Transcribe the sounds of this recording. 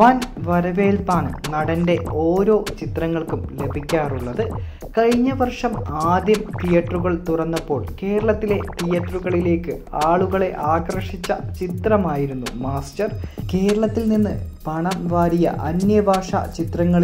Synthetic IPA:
ʋaːnʋɐɾɐʋe̞ːlpaːɳɨnɐɽɐnde̞o̞ːɾo̞ːt͡ɕit̪rɐŋːɐɭkumle̞bʱikʲːaːruɭːɐðɨ | kɐɻɲːɐʋɐrʂɐmaːd̪jɐmt̪ijɐʈruɣɐɭt̪urɐnːɐpːo̞ːɭke̞ːɾɐɭɐt̪ːile̞t̪ijɐʈruɣɐɭile̞ːkːɨaːɭuɣɐɭe̞ʔaːkrɐʂit͡ɕːɐt͡ɕit̪rɐmaːjiɾunːumaːsʈɐrke̞ːɾɐɭɐt̪ːilninːɨ̰pɐɳɐmʋaːɾijɐ̰ʔɐnjɐbʱaːʂɐ̰t͡ɕit̪rɐŋːɐɭ

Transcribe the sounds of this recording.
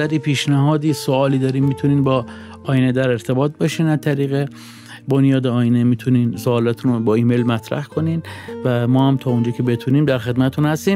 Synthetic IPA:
æɾiːpʰiːʃnæɦɒːd̪iːsoɒːliːd̪ɒːɾiːmːiːt̪ʰuniːnbɒː | ɒːjined̪æɾe̞ɾt̪ʰe̞bɒːt̪̚ʰbɒʃiːnæzt̪ʰæɾiːɣe | bonjɒːd̪eɒːjinemiːt̪ʰuniːnsoːlɒt̪ʰunobɒːiːme̞jlmæt̪ʰɾæ̰hkʰoniːnvæmɒːhæmt̪ʰɒːond͡ʒɒːcʰe̞be̞t̪ʰuniːmd̪æɾxe̞d̪mæt̪et̪ʰunhæst̪iːm

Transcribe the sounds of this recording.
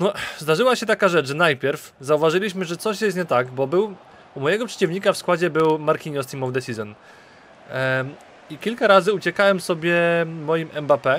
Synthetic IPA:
nɔzd̪aʐɘwaɕɛt̪akaʐɛt͡ʂʐɛnajpʲjɛɾf | zauvaʐɘlʲiɕmɘʐɛt̪sɔɕjɛst̪̚ɲɛt̪aɡbɔbɘw | umɔjɛɡɔpʂɛ̥t͡ɕivɲikafskwad͡ʑɛbɘwmaɾkʲiɲɔst̪imɔvd̪ɛsʲizɔn | ikʲilkaɾazɘut͡ɕɛkawɛmsɔbʲjɛmɔjimɛmbapɛ

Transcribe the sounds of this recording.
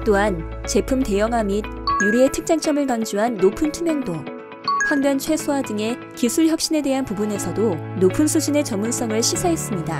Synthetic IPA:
t͈oɦant͡ɕe̞pʰumte̞jʌŋɦamid̚juɾie̞tʰɯk̚t͡ɕ͈aŋt͡ɕ͈ʌmɯɭkaŋd͡ʑuɦanːopʰɯntʰumjʌŋdo | ɸwaŋbjʌnt͡ɕʰwe̞sʰoɦadɯŋe̞ | kisʰuɭçjʌp̚ɕ͈ine̞de̞ɦanpubune̞sʰʌdonopʰɯnsʰud͡ʑine̞t͡ɕʌmːuns͈ʌŋɯɭɕʰisʰaɦe̞s͈ɯmɲida

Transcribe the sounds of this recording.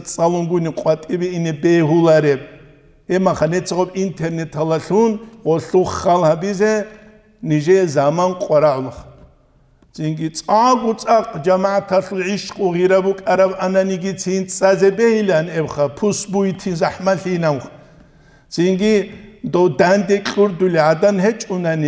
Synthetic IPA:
t͡sʼalunɡuniqʼwat̪ʼibiinɛbɛɦulaɾɛb̚ʼ | hɛmaχanɛt͡sʰaʁɔpint̪ʰɛrnɛt̪ʰalaɬunʁɔɬuχːalhabizɛ | niʒɛzamanqʼaɾalχ | z̥iŋɡit͡sʼaʕɡut͡sʼaqʼd͡ʒamaat̪ʰaɬulʕiʃqʼuʁiɾabukʼaɾabananiɡit͡sʰint͡sʼazɛbɛilanɛwχapʰusbuit̪ʰinzaħmaɬinamχ | z̥iŋɡid̪ɔd̪and̪ɛkʼuɾd̪uliʕad̪anhɛt͡ʃʼunani

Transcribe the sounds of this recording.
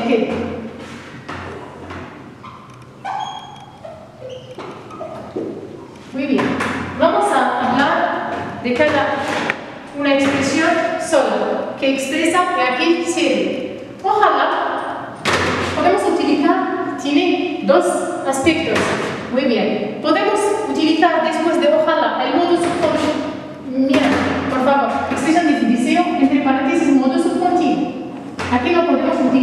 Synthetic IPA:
ke | wibjɛnvamosaːβlaɾd̪ekada | unaekspɾesjõnsolakeːkspɾesaeakelsjeɾe | oxala | poðemosut̪iliθaɾt̪jened̪osaspek̚t̪osmujβjenpoðemosut̪iliθaɾd̪espwezd̪eoxalaʔelmoðosupont̪i | miapoɾfaβoɾekspɾes̬jond̪etud̪iseoent̪ɾepaɾant̪esemond̪osuppont̪i | akenopoðemosut̪i

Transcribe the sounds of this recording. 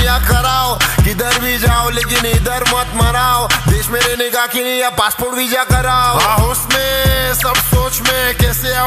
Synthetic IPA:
jakɐɾaːokɪd̪əɾbʱid͡ʒaːoleːk̬ɪnɪd̪əɾmɐt̪mɐɾaːod̪eːʃmẽɾenekakinijapaːspoːɾʈbʱid͡ʒakɐɾaːoʊsmẽsɐbsoːt͡ʃmẽkɛːsea

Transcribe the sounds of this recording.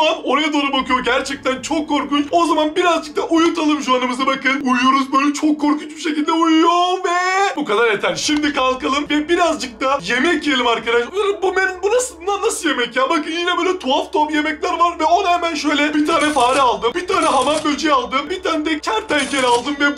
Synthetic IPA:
ano̞ɾajad̪onubakɯjo̞ɾɟæɾt͡ʃʰɛc̚t̪ʰænt͡ʃʰokʰːo̞ɾkut͡ʃo̞zamanbiɾazd͡ʒɯk̚t̪ʰaʔujut̪ʰalˠɯmʒuanɯmɯzabakɯnujujo̞ɾuzbøjlʲɛt͡ʃʰo̞kʰːo̞ɾkʰunt͡ʃbiʃecilʲd̪ɛujujovɛbukad̪aɾet̪ʰænʃimd̪ikʰalˠkalˠɯmvɛbiɾazd͡ʒɯk̚t̪ʰaje̞mɛcjelʲimaɾkad̪aʃanɯmbumeninbunasɯnanːasɯlje̞mɛcjaːbakɯnjinɛbøːlʲɛt̪ʰuaft̪ʰoamjemɛclʲæɾvaɾvɛo̞nhɛmænʃø̞jlʲɛbit̪ʰaːnɛfaːɾɛalˠd̪ɯmbit̪ʰaːnɛɦamanbølʲd͡ʒijalˠd̪ɯmbit̪ʰaːnɛd̪ɛcʰæɾt̪ʰɛncʰeɾalˠd̪ɯmvɛ

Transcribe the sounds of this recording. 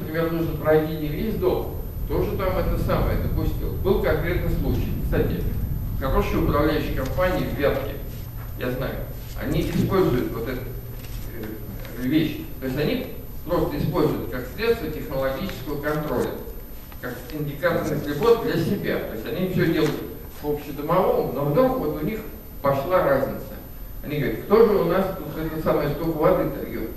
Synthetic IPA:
nəpɾʲɪmʲe̞rnuʐnəpɾɐjtʲinʲɪvvʲezʲd̪o̞̰lˠ | t̪o̞ʐɨt̪amɛt̪əsaməjəd̪əpʊsʲtʲḭlˠəbɨlˠkɐnkɾʲe̞t̪nɨslˠut͡ɕɪ̰jkst̪atʲɪ̰xɐɾo̞ʂɨjʊpɾɐvlʲæjʏɕːɪjkɐmpanʲɪːvʲvʲat̪kʲɪ̰ | jazna̰jʊ̰ | ɐ̰nʲiʔɪspo̞lʲzʊjʊt̪vo̞t̪ɛt̪ | vʲeɕt̪o̞ɪsʲtʲɐnʲipɾo̞st̪əɪspo̞lʲzʊjʊt̪kaksʲlʲet̪st̪vətʲɪxnəlˠɐɡʲit͡ɕɪ̥skəvəkɐnt̪ɾo̞̰lʲə̰ | kak | ɪnʲdʲɪkat̪ərnɨsʲlʲɪbo̞t̪̚d̪lʲəsʲɪbʲa̰t̪o̞ɪsʲɐnʲifsʲodʲe̞lˠəjʊt̪ | vopɕːɪd̪əmɐvo̞mno̞vd̪ɾukvo̞t̪ʊnʲix | pɐʂlˠaɾazʲnʲɪt̪sə | ɐ̰nʲiɡəvəɾʲɪt̪kt̪o̞ʐɨʊnasut̪ɛt̪ot̪saməjəst̪okəvɐd̪ɨt̪ɐjot̪

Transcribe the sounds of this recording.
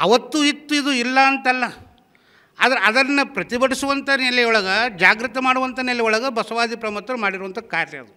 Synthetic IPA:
ɐʋɐt̪ːuit̪ːuid̪uilːɐːnt̪ɐlːɐ | a̰ːd̪ɐɾeɐd̪ɐɐnːɐpɾɐt̪ibɐʈisuʋɐnt̪ɐneliɔɭɐɡɐd͡ʒaːɡɾit̪ɐmaːɽuʋɐnt̪ɐnelːiɔɭɐɡɐbɐsɐʋaːd̪ipɾɐmɐt̪ːɐɾɐmaːɽiɾuʋɐnt̪ʰɐkaːɾjɐ̰ɐd̪u

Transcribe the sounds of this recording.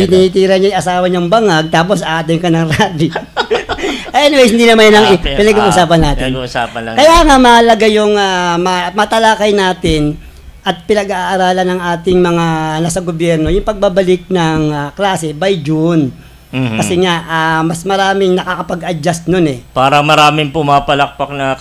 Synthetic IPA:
ɪnihit̪iːɾɐɲajɐsaːwɐɲaŋbɐŋɐɡ̚t̪aːp̬osaːʔad̪ɐmkɐnɐŋɾaːbi | ʔɐʔɛnɪwejs̬hɪnd̪inɐmanjnɐŋpɪnɐɡaʔuːsaːpɐnːaːt̪ɪnsakɐjaːŋamɐʔɐlɐɡajʊŋamɐmɐt̪ɐlaːkajnaːt̪ɪn | ɐt̪̚pɪnɐɡaʔːɾaːlɐnɐŋʔaːt̪ɪŋmɐŋanɐsɐɡobjɛɾnojʊŋpɐɡ̚babɐlɪk̚nɐŋklaːsɛbɐjd͡ʒʊn | kɐsɛŋaʔaːmɐsmɐɾaːmɪŋnɐkaːkɐpɐɡʔɐd͡ʒast̪nonɛpaːɾɐmɐɾaːmɪŋpʊmapɐlɐk̚pɐk̚nɐ

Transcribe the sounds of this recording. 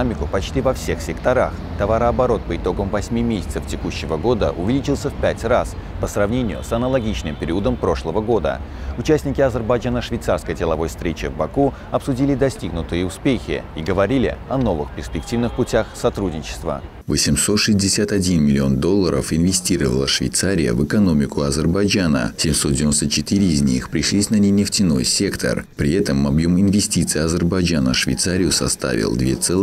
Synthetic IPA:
amʲɪkʊpɐt͡ɕtʲivɐfsʲe̞xsʲɪkt̪ɐɾax | t̪ɐvaɾəɐbɐɾo̞t̪̚pəɪt̪o̞ɡəmvɐsʲmʲimʲesʲɪt̪səftʲɪkuɕːɪvəɡo̞d̪ə̰ʔʊvʲɪlʲit͡ɕɪlˠsʲəfpʲætʲraspəsrɐvnʲenʲɪjʊ̰sɐnəlˠɐɡʲit͡ɕnɨmpʲɪɾʲiʊəd̪əmpɾo̞ʂlˠəvəɡo̞d̪ə̰ʊt͡ɕæsʲnʲɪkʲɪɐzʲərbɐjd͡ʒanəʂvʲɪjt̪sarskəjdʲɪlˠɐvo̞jfst̪ɾʲet͡ɕɪvbɐku | ɐpsʊdʲilʲɪd̪ɐsʲtʲiɡnʊt̪ɨjəʊspʲexʲɪ̰iɡəvɐɾʲilʲɪ̰ɐno̞vɨxpʲɪrsʲpʲɪk̚tʲivnɨxpʊtʲaxsɐt̪ɾudʲnʲɪt͡ɕɪ̥st̪və̰ | vəsʲɪmso̞t̪ʂɨzʲdʲɪsʲat̪ɐdʲinmʲɪlʲɪo̞nd̪o̞lˠːəɾʔə̰fɪnvʲɪsʲtʲiɾəvə̰lˠə̰ʂvʲɪ̰jt̪saɾʲɪjə̰vɨkɐno̞mʲɪkʊɐzərbɐjd͡ʒanə̰sʲɪmʲso̞t̪dʲɪvʲɪnost̪ət͡ɕɪt̪ɨɾʲɪːzʲnʲixpɾʲɪʂlʲisʲnɐnʲenʲɪftʲɪno̞̰jsʲe̞kt̪ʰə̰rpɾʲɪɛt̪əmːɐbjo̞mɪnvʲɪsʲtʲit̪sɨjɐzərbɐjd͡ʒanə̰ʂvʲɪ̰jt̪saɾʲɪjʊsɐ̰st̪a̰vʲɪ̰lˠd̪vʲe̞̰t̪sɛlˠ

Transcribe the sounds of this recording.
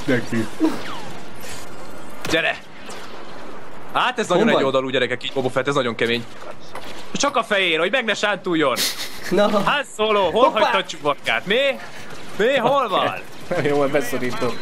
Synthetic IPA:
nɛki | ɟɛɾɛk | haːt̪ɛznɒjoɛɟo̞ld̪ɒluːɟɛɾɛkɛkiːɟbobofɛt̪ɛznɒɟo̞ŋkɛmeːɲ | t͡ʃɒkɒfɛjeːnho̞ɟmɛɡnɛʃaːnt̪uːjːo̞n | hasoːloːɦolɦɒct̪ɒt͡ʃukvɒɾɡa̰ːt̪neː | neːɦo̞lvɒ̰l | joɛbɛsoɾiːt̪ok

